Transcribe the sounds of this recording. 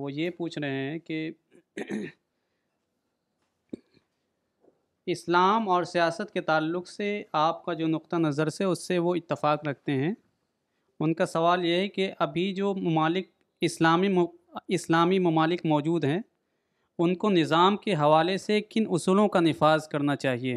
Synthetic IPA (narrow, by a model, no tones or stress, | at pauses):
ʋojepuːt͡ʃʰɾɐɦeɦɛ̃ke | ɪslaːmɔːɾsijaːsət̪ket̪aːlːʊkseaːp̚kad͡ʒoːnʊq̚t̪anɐzəɾsɛʊsːeʋoɪt̪ːɪfaːqɾɐk̚ʰt̪eɦɛ̃ː | ʊnkasɐʋaːljeɦɛkeʔɐbʱid͡ʒoːmɐmaːlɪk̚ | ɪslaːmiɪslaːmimɐmaːlɪkmɔːd͡ʒuːd̪ɦɛ̃ | ʊnkonɪzaːmkeɦɐʋaːlesekɪnʊsuːlõkanɪfaːzkɐɾnat͡ʃaːɦieː